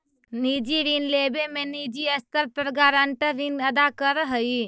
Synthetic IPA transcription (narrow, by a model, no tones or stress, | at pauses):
niːd͡ʒiɾinleːbemẽniːd͡ʒiəst̪əɾpɾəɡaːɾə̃ɳʈəɾinɐd̪akəɾɦəi